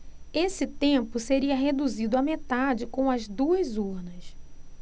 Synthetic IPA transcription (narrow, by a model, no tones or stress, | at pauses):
esɪt̪ẽpʊseɾiɐɦed̪uzid̪ʊɐmet̪ad͡ʒɪkõw̃ɐzd̪uɐzuɾnɐs